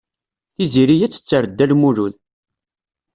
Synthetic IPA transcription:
iziɾijæt͡sːə̥t͡sːəɾəd̪ːælmuɾul

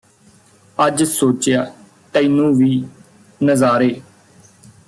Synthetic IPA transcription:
əd͡ʒsoːt͡ʃjaː | ʈ̪əinũːʋiː | nəzaːɾeː

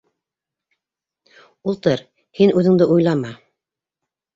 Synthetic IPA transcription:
ulˠt̪ɤɾ | hinʉðɘ̆ŋd̪ɘʔujlˠɑmɑ

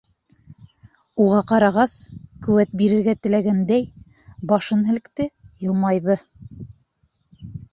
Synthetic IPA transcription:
uʁɑqɑɾɑʁɑskɵ̆wæt̪̚biɾɘ̆ɾɡæt̪ɘ̆læɡænd̪æj | bɑʃɤnɦɘ̆l̆kt̪ɘjɤ̆lˠmɑjðɤ

